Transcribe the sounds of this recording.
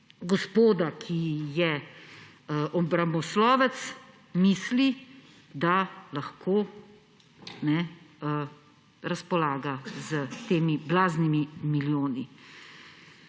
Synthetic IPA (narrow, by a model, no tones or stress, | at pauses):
ɡɔspoːd̪akʰijɛ | ʔɔbɾamɔslɔːʋɛt̪s | misli | d̪alaxkʰoː | nɛ | ɾaspɔlaːɡazət̪eːmiblaːznimimiljoːni